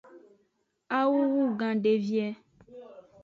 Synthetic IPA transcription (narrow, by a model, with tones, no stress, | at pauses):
a˦wu˦wu˦ɡã˨ɖe˨vi˦ɛ˦